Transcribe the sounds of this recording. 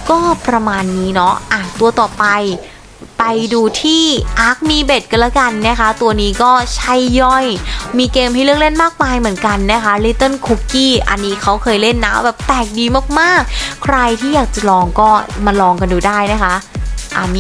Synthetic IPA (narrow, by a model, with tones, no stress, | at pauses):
kɔː˥˩pɾa˧maː˧nːiː˦˥nɔ˦˥ʔaː˨˩nt̪u˧ɐt̪ɔː˨˩pa˧j | pa˧jduː˧t̪ʰiː˥˩ʔa˦˥k̚miː˧be˨˩t̪̚ka˧nlaː˦˥˩ka˧nːa˦˥˩kʰa˦˥t̪u˧ɐniː˦˥kɔː˥˩t͡ɕʰa˦˥˩jːɔ˥˩jmiː˧keː˧mɦa˥˩lɯ˥˩ək̚le˥˩nmaː˥˩k̚maː˧jmɯ˩˦nka˧nːa˦˥kʰa˦˥liː˧˥t̪ɤ˥˩nkʰu˦˥kːiː˥˩ʔa̰˧nːiː˦˥kʰa˦˥wkʰɤː˧jle˥˩nːaː˦˥wbɛː˨˩p̚t̪ɛː˨˩k̚diː˧maː˥˩k̚maː˥˩k̚kʰɾa˧jt̪ʰiː˥˩jaː˨˩k̚t͡ɕa˨˩lɔː˧ŋkɔː˥˩ma˧lɔː˧ŋka˧nduː˧daː˥˩jna˦˥kʰa˦˥ʔʔa˨˩m˦˧